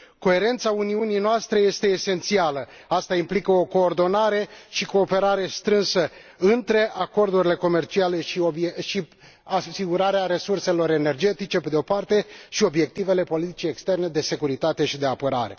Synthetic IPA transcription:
ko̞e̞ɾe̞nt̪sauniunijnoast̪ɾe̞je̞st̪e̞ːse̞nt̪sialə | ast̪aimplikəo̞ko̞ːrd̪o̞naɾe̞ʃiko̞ːpe̞ɾaɾe̞st̪ɾɨnsə | ɨnt̪ɾe̞ʔako̞rd̪uɾile̞ko̞me̞rt͡ʃiale̞ʃiobʃi | asiɡuɾaɾeaɾe̞surse̞lo̞ɾe̞ne̞rd͡ʒe̞t̪it͡ʃe̞ped̪eo̞part̪e̞ʃio̞bje̞k̚t̪ive̞le̞po̞lit̪i̥t͡ʃijekst̪e̞rne̞d̪e̞se̞kuɾit̪at̪e̞ʃid̪e̞apəɾa̰ɾe̞̰

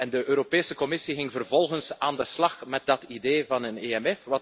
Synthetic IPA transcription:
ɛndəʔøːɾopeːsəkɔmɪsiɣɪŋvərvɔlˠɣənsaːndəslɑxmɛt̚dɑtideːvɑnəneɛmɛfʋɑ

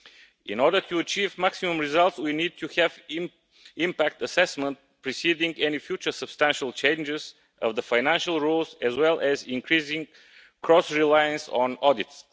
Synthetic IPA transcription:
ɪ̰̃nɔɹdət̪ʰuət͡ʃivmæksimə̃mɹɪzʌlˠt̪swinid̪̚tʰuhɛv | ɪ̃mpæk̚t̪əsɛsmə̃nt̚pɹisidɪ̃ŋɡɛnifjut͡ʃə˞səb̥st̪æ̃nʃəlˠt͡ʃẽɪ̃nd͡ʒɪz | ʔʌ̰vd̪əfaɪnæ̃nʃəlˠɹulˠzɛzwɛlˠʔɛzɪ̃nkʰɹizɪ̃ŋ | kʰɹɔsɹilajə̃nsɔ̃nɔdɪts

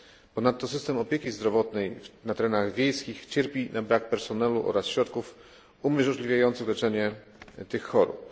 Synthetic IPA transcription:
pɔnat̪ːɔsɘst̪ɛmɔpʲjekʲizd̪ɾɔvɔt̪nɛjnat̪ɛɾɛnaɣvʲjejskʲixt͡ɕɛɾpʲinabɾak̚pɛɾsɔnɛluʔɔ̰ɾasɕɾɔt̪kuf | umʲjɛʐɔʐlʲivʲjajɔnt̪sɘɣlɛt͡ʂɛɲɛ | t̪ɘxːɔɾṵp̚

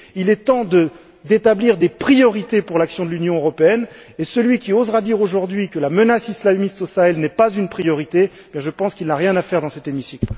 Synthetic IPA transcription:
ilɛt̪ɑ̃d̪ə | d̪et̪abliʁd̪epχijɔʁit̪epuʁlaksjɔ̃d̪əlynjɔ̃øʁɔpeɛn | esəlɥikʲiozʁad̪iʁoʒuʁd̪ɥikəlamənasislamist̪osaɛlnɛpazynpχijɔʁit̪eebjɛ̃ʒəpɑ̃skilnaʁjɛ̃nafɛʁd̪ɑ̃sɛt̪emisikl

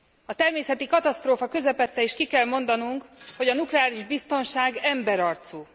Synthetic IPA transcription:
ɒt̪ɛrmeːsɛt̪ikɒt̪ɒst̪ɾoːfɒkø̞zɛpɛt̪ːɛiʃkikɛlmo̞n̪d̪ɒnuŋkho̞ɟɒnuklɛaːliʒbist̪o̞nʃaːɡɛmbɛɾɒrt̪suː

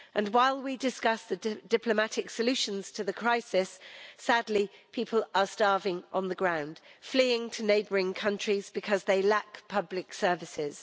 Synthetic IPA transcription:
ʔə̃nwaɪlˠwidɪskʌsðəd̥ɪpʰləmatɪksəlʉˑʃə̃nz̥tʰəðəkʰɹ̥aɪsɪsːadˡlipʰiˑpʰəlʔəstɑɹvɪ̃ŋʔə̰̃nðəɡɹãʊ̃nd̥fliːɪ̃ŋtʰəneɪbəɹɪ̃ŋkʰʌ̃nt͡ʃɹ̥izbɪkʰʌzðeɪlakpʰʌblɪksɜ˞vɪsɪz̥

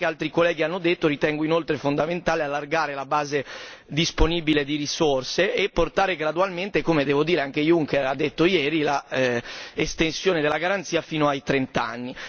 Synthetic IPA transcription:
kealt̪ɾikolːɛːɡianːod̪et̪ːoɾit̪ɛŋɡoinolt̪ɾefond̪ament̪aːlealːarɡaːɾelabaːzed̪isponiːbiled̪iɾisorseʔːpːort̪aːɾeɡɾad̪ualment̪ekomed̪ɛːvod̪iːɾeaŋkejuŋkeɾad̪ːet̪ːojɛːɾila | est̪ensjoːned̪elːaɡaɾant̪siːafiːnoajt̪ɾent̪a̰nːi

